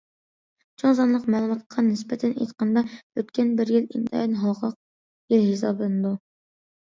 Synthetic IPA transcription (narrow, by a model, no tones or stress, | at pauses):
t͡ʃʰoŋzɑnlˠəqmɑlˠməqqʰːɑnɪspɛt̪ʰɛnʔḛjt̪qɑnd̪ɑøt̪kʲænbɪɾjɪlint̪ʰɑ̰jɑnɦɑlˠqʰɑq̚ | jɪlɦis̬ɑblˠɨnɨd̪u